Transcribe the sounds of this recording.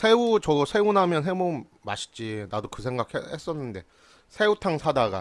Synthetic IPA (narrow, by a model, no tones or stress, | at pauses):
sʰe̞ut͡ɕʌsʰe̞unɦamjʌnɦemoː | aɕʰi̥t͡ɕinadokɯs̬ʰe̞ŋɡakʰhehe̞s͈ʌnːɯnde̞ | sʰe̞utʰaŋsʰadaɡa̰